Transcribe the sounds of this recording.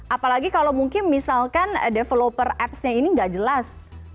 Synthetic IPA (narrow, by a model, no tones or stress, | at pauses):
ʔapalaɡikalowmuŋkɪnmisalkandefelopərɛpsɲainiŋɡaʔd͡ʒəlas